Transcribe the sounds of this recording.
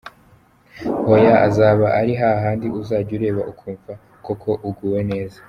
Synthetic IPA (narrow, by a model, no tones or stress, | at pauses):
hojaʔazaːβaʔaɾiɦaɦaːndiʔuzaːɟuɾe̞βaʔukʰuːɱva | kokʰo̞ʔuɡuːwe̞ne̞ːzḁ